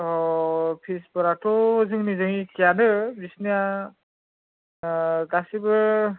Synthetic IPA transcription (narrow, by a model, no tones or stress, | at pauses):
ɔpʰisbɔɾatɔzɯŋnizɯŋikʰijanɯbisnija | ɡasibɯɹ